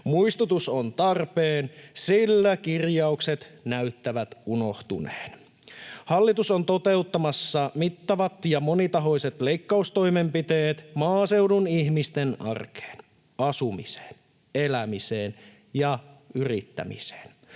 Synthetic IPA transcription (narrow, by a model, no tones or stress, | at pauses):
muist̪ut̪usont̪ɑrpeːnsilːækirjɑukset̪næyt̪ːæʋæt̪uno̞ht̪ṵnḛːn | hɑlːit̪usont̪o̞t̪e̞ut̪ːɑmɑsːɑmit̪ːɑʋɑt̪jɑmo̞nit̪ɑɦo̞ijse̞t̪le̞jkːɑust̪o̞imempit̪e̞ːt̪mɑːse̞udunihmist̪enɑ̰rke̥ːn | ɑsumḭse̥ːn | elæmiseːn | jɑyrḭt̪ːæ̰mḭse̥ːn